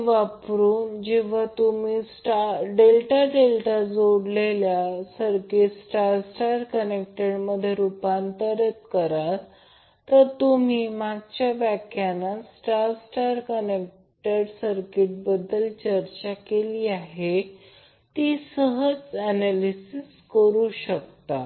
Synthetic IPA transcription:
ʋapɾuːnd͡ʑiʋ̤at̪umiːsʈaɖelʈaɖelʈad͡zoɽleljasəɾkiʈsʈaɾsʈaɾkənek̚ʈəɽməd̪ʱjeɾupant̪əɾət̪kəɾa | t̪əɾt̪um̤iːmaɡt͡ɕjabækʰjanːasʈaɾsʈaɾkənek̚ | ʈəɖsəɾkiʈ̚bəd̪ːəlt͡ɕəɾt͡ɕakeliːaɦe | t̪iːsəɦəd͡zænalisiskəɾuːɕək̚t̪a

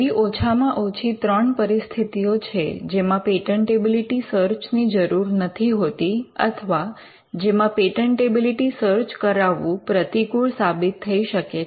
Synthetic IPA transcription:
iʔot͡ʃʰamãʔot͡ʃʰit̪ɾəɳpəɾist̪ʰit̪ijot͡ʃʰḛd͡ʒemãpeʈəɳʈebiliʈisəɾt͡ʃnid͡ʒəɾuɾnət̪ʰiɦot̪iə̰t̪ʰəʋa | d͡ʒemãpeʈəɳʈebiliʈisəɾt͡ʃkəɾaʋːũpɾət̪ikuɭsabit̪ʰːəiʃəke

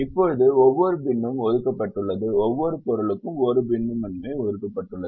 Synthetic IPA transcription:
ɪpːoɪðɯɔʋːɔɾɯbɪɳːɯmɔðɯkːɐpːɐʈːɯɭːɐðɯɔʋːɔɾɯpʊɾɐɭɯkːɯmɔɾɯbɪɳːɯmɐnːɯmeːɔðɯkːɐpːɐʈːɯɭːɐðɯ

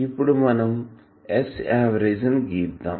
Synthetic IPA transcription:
ipuɽumɐnɐm | esaːʋɐɾeːzɐnɡiːd̪a

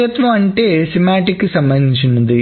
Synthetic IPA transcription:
jɐt̪ʋɐmɐɳʈesimaːʈːikːɨsɐmbɐnd̪ʱit͡ɕːunːɐðɨ

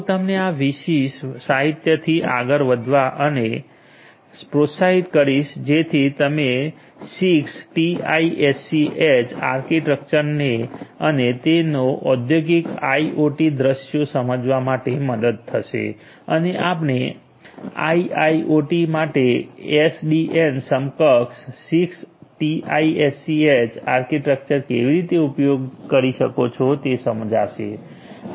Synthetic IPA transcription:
t̪əmneaʋiʃiʃsaɦit̪jət̪ʰiʔa̰ɡəɾʋəd̪ʱʋaʔəne | pɾot̪saɦit̪kəɾiʃd͡ʒet̪ʰit̪əme | siksʈiaiesiʔet͡ʃa̰ɾkiʈɾək̚t͡ʃəɾneənet̪enoʔɔd̪joɡika̰iʔoʈid̪ɾəʃjosəməd͡ʒʋamaʈeməd̪əd̪̚t̪ʰəʃḛ | əneʔapne | a̰iaiʔoʈimaʈeɛsɖiʔensəmkəkssiksʈiʔa̰iesiet͡ʃaɾkiʈɾək̚t͡ʃəɾkeʋiɾit̪eupjoɡkəɾiʃəkot͡ʃʰɔt̪esəməd͡ʒaʃḛ

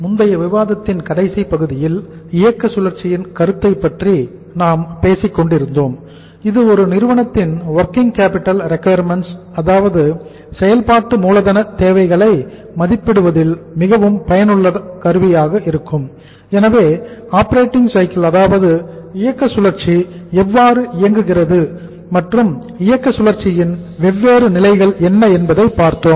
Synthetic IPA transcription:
mʊnd̪ɐjɐʋɪʋaːðɐt̪ːɪnkɐɽɐɪsipɐɣɯðɪjɪl | ɪjɐkːɐsʊlɐɾt͡ʃɪjɪnkɐɾɯt̪ːɐɪpːɐʈri | naːmpeːsɪkːɔɳɖɪɾɯnd̪oːm | ɪðɯɔɾɯnɪɾɯʋɐɳɐt̪ːɪnʋɐɾkɪŋkaːpɪʈːɐlɾɛkɐjɐɾmɛns | ɐðaːʋɐðɯ | sɛjɐlpaːʈːɯmuːlɐðɐnɐt̪eːʋɐɪɣɐɭɐɪ | mɐðɪpːɪɽɯʋɐðɪlmɪɣɐʋɯmpɐjɐnɯɭːɐkɐɾɯʋɪjaːɣɐʔɪɾɯkːɯm | ɛnɐʋeːaːpɐɾeːʈːɪŋɡsɐɪkɪlɐðaːʋɐðɯɪjɐkːɐsʊlɐɾt͡ʃiɛʋːaːɾɯʔɪjɐŋɡɯɣɪrɐðɯ | mɐʈrɯm | ɪjɐkːɐsʊlɐɾt͡ʃːɪjɪnʋɛʋːeːɾɯnɪlɐɪɣɐɭɛnːɐɛnbɐðɐɪpːaːɾt̪oːm

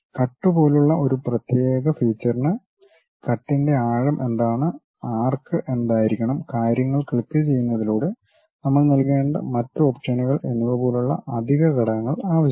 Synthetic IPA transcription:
kɐʈːubo̞ːluɭːɐo̞ɾuprɐt̪je̞ːɣɐfiːt͡ɕːɐrnɨ | kɐʈːinde̞aːɻɐmʔe̞nd̪aːɳɨ | aːrkɨʔe̞nd̪aːjiɾikʲːɐɳɐmkaːɾjɐŋːɐɭkiɭk̪ːɨt͡ɕe̞jːunːɐðiloːɽɨ | nɐmːɐɭnɐlke̞ːɳɖɨ̰mɐtːɨopʂɐniɣɐɭe̞nuʋɐpo̞ːluɭːɐ̰ʔɐd̪ʱiɣɐɣɐɽɐŋɐŋːɐɭaːʋɐɕ

